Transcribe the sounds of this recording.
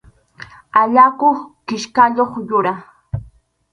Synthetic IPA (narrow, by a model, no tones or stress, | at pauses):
aʎakoχkɪʃkaʎoχjʊɾaχ